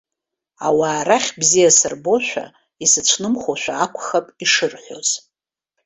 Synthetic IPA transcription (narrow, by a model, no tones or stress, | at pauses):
awaːɾaχʲbzijasɨrbo̞ʃʷᶣa̰ | isɨt͡ʃʷʰnɨmχoʃʷᶣaːkʷʰʼχapʼiʂɨrħʷᶣo̞̰z̥